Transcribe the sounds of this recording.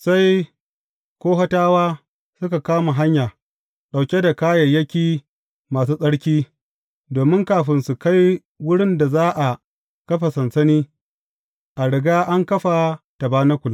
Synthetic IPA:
sa˦j | kʷoː˦ɦɐ˦taː˦waː˦ | sʊ˦ka˨kaː˦ma˨ɦa˦ɲjaː˨ | ɗa˨wkʲe˦da˨kaː˦jɐ˨jɐ˦kʲiː˨ | maː˨s̬uː˦sʼɐ˦ɽkʲiː˦ | doː˨mɪ˦ŋkaː˨ɸɪ˨nsu˨ka˦j | wʊ˦ɽɪ˦nda˨zaː˦ʔa˨ | kɐ˦ɸa˨sɐ˨nsɐ˦niː˦ | ʔa˨ɽɪ˨ɡaː˦ʔa˦ŋkɐ˦ɸa˨ | ta˨baː˦na˦kʷʊ˨la˦

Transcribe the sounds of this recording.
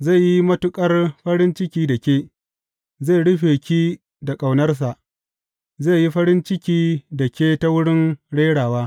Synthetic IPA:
ze˦˨ji˦mɐ˦tʊ˦kʼɐ˦rɸɐ˦ɽɪ˦nt͡ʃɪ˦kʲiː˦da˨kʲeː˦ | zeː˦˨ɽʊ˦ɸeː˨kʲiː˦ | da˨kʼa˨wnɐ˦rs̬a˨ʔ | ze˦˨ji˦ɸɐ˦ɽɪ˦nt͡ʃɪ˦kʲiː˦da˨kʲeː˦ta˦wʊ˦ɽɪ˦nɽeː˦ɽaː˨waː˦

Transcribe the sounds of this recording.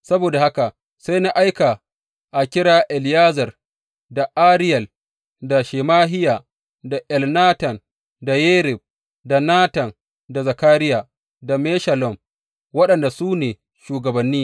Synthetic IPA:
sɐ˦boː˨da˨ha˦ka˨ʔ | sa˦jna˦ʔa˦jka˨ | ʔa˨kʲɪ˦ɽaː˦ʔɛ˨ljaː˦zɐ˨r | da˨ʔa˦ɾɪ˦jɐ˨l | da˨ʃeː˨maː˦ɦɪ˦ja˨ | da˨ʔɛ˨lnaː˦tɐ˨n | da˨jeː˦ɾɪ˨b̚ | da˨naː˦tɐ˨n | da˨za˨kaː˦ɾɪ˦ja˨ | da˨mɛː˦ʃɐ˨lɔ˦˨m | wɐ˦ɗɐ˨nda˨suː˦neː˨ | ʃuː˨ɡɐ˨bɐ˨nːiː˦

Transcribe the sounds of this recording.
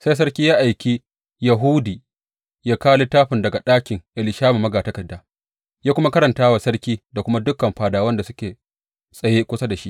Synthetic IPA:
sa˦js̬ɐ˦ɾkʲiː˦jaː˦ʔa˨jkʲiː˦ | jɐ˨ɦu˦diː˨ | jaː˦kaː˦le˦taː˦ɸɪ˨ndɐ˨ɡa˨ɗaː˦kʲɪ˨ŋʔɪ˨lɪ˨ʃaː˦ma˨mːɐ˦ɡaː˨tɐ˦kɐ˨dːaː˦ | jaː˦kʷʊ˦ma˦kɐ˦ɾɐ˨ntaː˦wa˨sɐ˦ɽkʲiː˦da˨kʷʊ˦ma˦dʊ˦kːɐ˨mɸaː˨daː˨wɐ˦nda˨sʊ˦kʲeː˨ | sʼɐ˨je˦kʷʊ˦sa˦da˨ʃi˦ʔ

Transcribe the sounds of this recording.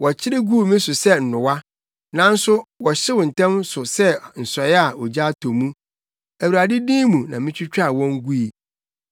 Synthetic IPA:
wɔ˨t͡ɕʰɪ˦ɾɪ˦ɡu˦˨mĩ˦sʊ˨sɛ˦n̩˨nʊ̃˨wa˦ | nã˨˦n̩˦sʊ˦wɔ˨ɕɪ˦wʊ˨n̩˨tʰɛ̃˦msʊ˨sɛ˦n̩˨sɔ˨˦a˨ɔ˨d͡ʑa˦tʰɔ˨mũ˦ | æ˨wu˨ɾa˨dɪ˦dĩː˦mũ˨nã˨mɪ̃˦t͡ɕᶣʰɪ˦t͡ɕᶣa˦˨wɔ̃˦ŋ˦ɡu˦i˨

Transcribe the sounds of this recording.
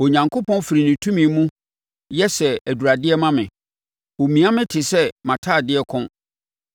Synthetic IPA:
ɔ˨ɲã˨ŋkʰo˦pʰɔ̃˦nfɪ˨ɾi˨nĩ˨tʰũ˦mĩ˨˦mũ˦ | jɛ˦sɛ˨æ˨du˨ɾa˨dɪ˦ɛ˦mã˦mɪ̃˨ | o˨mĩ˨a˦mɪ̃˦tʰɪ˨sɛ˦mã˨tʰa˦˨dɪ˦ɛ˦kʰʊ̃˦n

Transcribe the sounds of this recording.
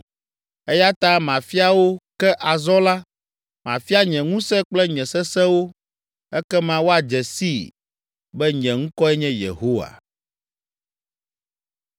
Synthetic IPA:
ɛ˦ja˦t̪a˦mã˨fi˦a˦wo˦kɛ˦ʔa˨zɔ˦la˦ | mã̰˨fi˦a˦ɲɛ̃˨ŋũ˦sɛ˦k͡plɛ˦ɲɛ̃˨sɛ˦sɛ˦wo˦ | ɛ˦kɛ˦mã˦wo˦a˨d͡ʒɛ˨si˦ | bɛ˦ɲɛ̃˨ŋ̩̃˦kɔ˦ɛ˦ɲɛ̃˦jḛ˨ɦo˦wa̰˨

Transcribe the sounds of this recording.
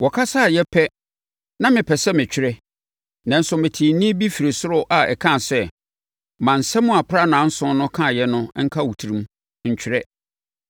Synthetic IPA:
wɔ˨kʰa˦sa˦˨jɛ˦pʰɛ˦ | nã˦mɪ̃˨pʰɛ˨sɛ˦mɪ̃˨t͡ɕᶣɪ˦ɾɛ˦ | nã˨n̩˦sʊ˦mɪ̃˨tʰĩ˨nĩ˦bi˦fi˨ɾe˨sʊ˦ɾʊ˦ʔa˨ɛ̰˨kʰã˦˨sɛ˦ | mã˨n̩˨sɛ˦mʊ̃˦a˨pʰɾa˦nã˨˦n̩˦sʊ̃˦nʊ̃˦kʰã˦˨jɛ˦nʊ̃˦ŋ̩˦kʰa˦wu˨tʰi˨ɾĩ˨˦m˦ | ɲ̩˨t͡ɕᶣʰɪ˦ɾɛ˦

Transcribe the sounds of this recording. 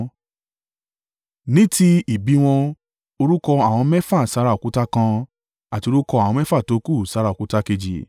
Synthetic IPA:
nĩ˦ti˧i˨bi˨˦w̃ɔ̃˧ | o˧ɾu˦kɔ˧a˨w̃ɔ̃˧mɛ˦fa˦˨sa˧˦ɾa˦o˨ku˦ta˦kã˧ | a˨ti˧o˧˦u˦kɔ˧a˨w̃ɔ̃˧˦ɛ˦fa˦˨to˨˦ku˦˨sa˨˦ɾa˦˨o˨ku˨˦ta˦ke˧d͡ʒḭ˨

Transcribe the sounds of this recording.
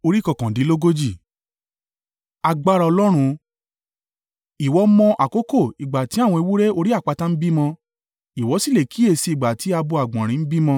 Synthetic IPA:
o˧ɾi˦kɔ˦˨kã˨dĩ˨˦lo˦ɡo˦d͡ʒi˦˨ | a˧ɡ͡ba˦ɾa˧ɔ˧lɔ˦ɾ̃ũ˧ | i˨wɔ˨˦mɔ̃˧ʔa˨ko˨˦ko˦˨i˨ɡ͡ba˨ti˨˦a˦˨w̃ɔ̃˧e˧wu˦ɾe˦o˧ɾi˦a˦˨k͡pa˧tã˦n̩˦bi˦mɔ̃˧ | i˨wɔ˨˧˦si˦le˨kʰi˨˦e˦˨si˧i˨ɡ͡ba˨ti˨˦a˧bu˧a˨ɡ͡bɔ̃˨ɾ̃ĩ˨˦n̩˦bi˦mɔ̃˧

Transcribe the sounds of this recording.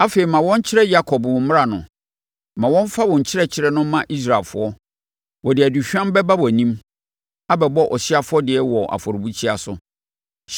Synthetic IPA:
a˦fe˨i˨mã˨wɔ̃˦ɲ˦t͡ɕʰɪ˦ɾɛ˦ja˦kʰɔ˨bwɔ̃˨˦m˦ɾa˨nʊ̃˨ | mã˨wɔ̃˦ɱ˦fa˦wɔ̃˨ɲ̩˨t͡ɕʰɪ˦ɾɛ˦t͡ɕʰɪ˦ɾɛ˦nʊ̃˦mã˦ʔi˦s̬ɾa˨lfʊ̰˨˦ɔ˦ | wɔ˨dɪ˨æ˨di˨ɕᶣã˦m˦bɛ˦ba˦wɔ˨nĩ˦m | a˦bɛ˨bɔ˦ʔɔ˨ɕɪ˦a˦fʊ˦ɔ˦dɪ˨ɛ˦wɔ˨ʔa̰˨fɔ˨ɾʊ˨bu˦t͡ɕʰi˦a˨sʊ˦

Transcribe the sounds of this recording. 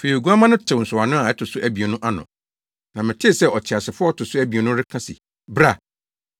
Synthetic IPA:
fe˨ɾi˨o˨ɡu˦a˦mã˦nʊ̃˦tʰɪ˨n̩˨sʊ˨a˨nʊ̃˦a˨ɛ˦tʰʊ˨sʊ˦ʔæ˦bi˨e˨nʊ̃˦ʔa˦nʊ̰̃˨ | nã˨mɪ̃˨tʰɪ˦˨sɛ˦ʔɔ˨t͡ɕʰɪ˨a˨sɪ˨fʊ˦ɔ˦tʰʊ˨sʊ˦æ˦bi˨e˨nʊ̃˦ɾɪ˦kʰã˦sɪ̰˨ | bɾa˨

